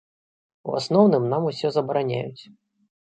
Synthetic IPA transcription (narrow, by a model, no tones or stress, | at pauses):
ṵa̰snɔwnɨmnamusʲɔzɐbɐɾanʲa̰jut͡sʲ